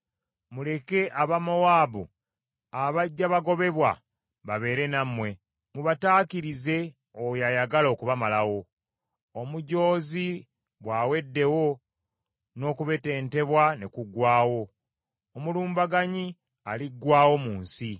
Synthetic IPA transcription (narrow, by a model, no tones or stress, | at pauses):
mule̞ke̞ʔaβamawaːβṵ | aβaɟːaβaɡo̞βe̞βwa̰ | βaβe̞ːɾe̞namwe̞ | muβataːkiɾize̞ | ojajaɡalo̞ːkuβamalawo̞ː | muɟo̞ːzi | βwaːwe̞dːe̞wo̞ | no̞ːkuβe̞te̞ːnte̞βwane̞kuɡwaːwo̞ː | muluːmbaɡaɲi | aliɡwaːwo̞muːnsi